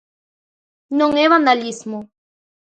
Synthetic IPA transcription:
noŋeβand̪alismo

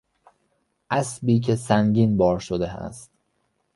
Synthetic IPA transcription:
ʔæsbiːcʰe̞sæŋɟiːnbɒːɾʃod̪e̞æ̰st̪

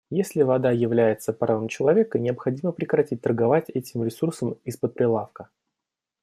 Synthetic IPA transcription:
jesʲlʲɪvɐd̪ajɪvlʲæjɪt̪səpɾʔavamt͡ɕɪlˠɐvʲe̞kənʲɪɐpxɐdʲiməpɾʲɪkɾɐtʲit̚ʲt̪ərɡɐvatʲɛtʲɪmɾʲɪsursəmispət̪̚pɾʲɪlˠafkə

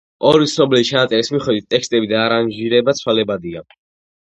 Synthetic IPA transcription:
ɔɾisɔblit͡ʃʰanat̪ʼɛlismiχɛd̪wit̪ʼːɛkst̪ʼɛbid̪aːɾanʒiɾɛbat̪sʰwalɛbad̪ia

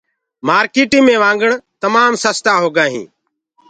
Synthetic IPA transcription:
maːɾkiːʈĩːmẽːʋãːŋɡəɳt̪əmaːmsəst̪aːɦoːɡãːɦḭ̃ː

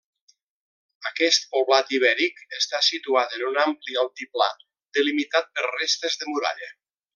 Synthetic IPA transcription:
əkɛst̪̚poβlat̪iβɛɾikəst̪asit̪uat̪ənunamplialˠt̪ipla̰ | d̪əlimit̪at̪̚pəɾrest̪əzðəmuɾa̰ʎə

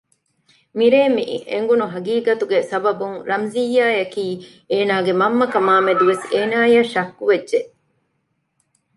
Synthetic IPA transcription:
miɾeːmiʔḭʔḛŋɡunuɦɐɡiːɡɐt̪uɡesɐbɐbuŋɾɐmzijːaːjɐkiː | eːnaːɡemɐmːɐkɐmaːmed̪uʋeseːnaːjɐʃɐkːuʋedːʒeʔ

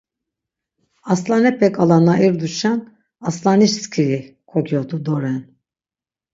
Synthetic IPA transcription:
aslˠanɛpʰɛkʰalˠanaiɾd̪uʃan | aslˠaniʃskʲʰiɾi | kʰokʰyjoɾd̪ud̪oɾɛn

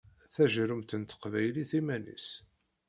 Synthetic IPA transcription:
θæʒɾʊmt̪ənt̪ə̥qvæjliθimænḭs

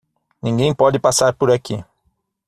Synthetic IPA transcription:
nĩŋɡẽj̃pɔd͡ʒɪpasaɾpoɾaki

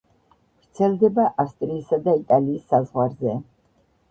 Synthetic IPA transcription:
vɾt̪sʰɛlˠd̪ɛbaʔafst̪ʼɾiːsad̪ait̪ʼaliːsːazʁwaɾzɛ

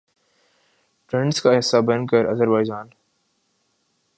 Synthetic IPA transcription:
ʈɾẽɳɖskaɦɪsːabɐnkəɾɐzəɾbaːɪd͡ʒaːn

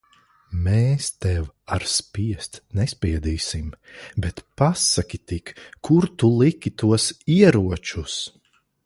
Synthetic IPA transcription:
meːst̪ɛwaɾspiɛst̪nɛspʲiɛd̪iːsimbɛt̪pasakʲit̪ikʰːuɾt̪ulˠikʲit̪uɔsiɛɾuɔt͡ʃus

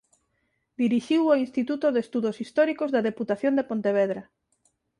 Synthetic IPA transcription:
d̪iɾiʃiwoĩnst̪it̪ut̪oðest̪uðosist̪ɔɾikozðaðeput̪aθjond̪epont̪eβ̞eðɾɐ

